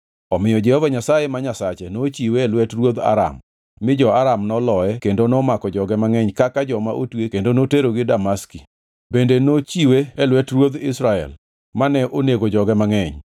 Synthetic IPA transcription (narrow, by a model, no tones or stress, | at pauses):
ɔmɪjɔd͡ʒɛhovaɲasajemaɲasat͡ʃɛnot͡ʃiweːlwɛtrwod̪a̰ɾa̰mː | ɪd͡ʒɔaɾamnɔlɔɛkendonɔmakɔd͡ʒɔɡɛmaŋɛɲkakad͡ʒɔmaʔotwekendonoteɾoɡɪdamaski | bendenot͡ʃiweːlwɛtrwod̪ɪsɾaɛ̰l | manɛʔoneɡod͡ʒɔɡɛmaŋɛɲ